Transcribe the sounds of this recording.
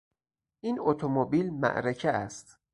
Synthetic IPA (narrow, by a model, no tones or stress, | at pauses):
iːnot̪ʰomobiːlmæ̰ʔɾecʰeæst̪